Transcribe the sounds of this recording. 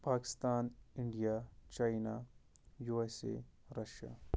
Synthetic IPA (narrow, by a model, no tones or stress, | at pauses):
paːkɪ̥st̪aːniɳɖijaːt͡ʃaːjna | juesḛɾɐʃja̰ː